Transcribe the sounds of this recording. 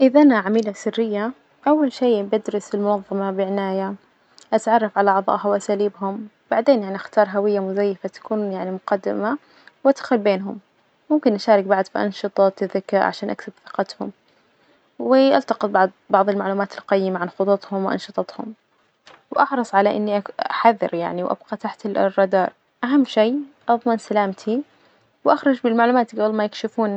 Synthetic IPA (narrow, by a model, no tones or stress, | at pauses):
ʔɪðʔanaʕamiːlasɪrːɪjːa | ʔawːalʃiːbɪd̪ɾɑsɪlmʊnɑðˤːɑmɑbɪʕɪnaːja | ʔat̪ʕɑrˤːɑfʕalaʕɑðˤɑ̰ːʔhawʔasaːliːbhʊm | b̥aʕd̪eːnjaʕniʔaxt̪ɑːɾˤɦawɪjːamʊzajːɪfat̪ḁkuːnjaʕnimʊqɑd̪ːɪ̰ma | wʔad̪xʊlbeːnɦʊm | mʊmkɪnʔaʃɑːɾɪk̚baʕd̪fiʔɑ̰nʃɨt̪ˤɑt̪ɪðɪkɾʕa̰ʃaːnʔaksabθɪ̥qɑt̪hʊ̰m | wɪʔalt̪ɑqɨt̪̚ˤbɑʕd̪bɑʕðˤɪlmaʕluːmaːt̪ɪlqɑjːɪmaʕanxʊt̪ˤɑt̪ˤhʊmwʔɑ̰nʃɨt̪ˤɑt̪hʊ̰m | wʔɑħɾɨsˤʕalaʔɪ̰nːiʔaaħaðːɪ̰ɾja̰ʕniwʔa̰b̥̚qɑt̪aħt̪ɪrˤːɑd̪ɑːɾˤ | ʔaɦamːʃiːʔɑðˤmɪnsalaːmt̪ʰi | wʔaxɾˤɑd͡ʒbɪlmaʕluːmaːt̪ɡawlmajɪkʃɪfuːn